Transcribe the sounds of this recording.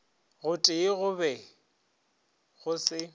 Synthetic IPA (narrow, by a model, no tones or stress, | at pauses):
ɣʊtʼɪɣʊbɛ | ɣʊsɪ